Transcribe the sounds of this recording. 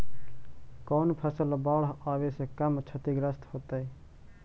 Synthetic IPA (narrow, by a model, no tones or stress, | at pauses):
koːnpʰəsəlbaːɽɦaːʋeːsekɐmt͡ʃʰət̪iːɡɾəst̪hoːt̪aiː